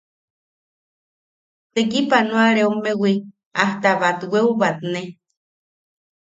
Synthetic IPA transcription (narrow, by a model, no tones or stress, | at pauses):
t̪ekipanuaɾeumewi | aht̪aβat̪weuβat̪ne